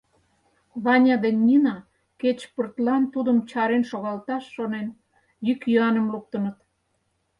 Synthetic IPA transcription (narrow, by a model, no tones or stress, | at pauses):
βɑnʲɑd̪enʲːinɑ | ket͡ɕpərt̪lɑnt̪ud̪əmt͡ɕɑɾenʃoɣɑlt̪ɑʃːonen | jykjyɑnə̆mluk̚t̪ə̆nə̆t̪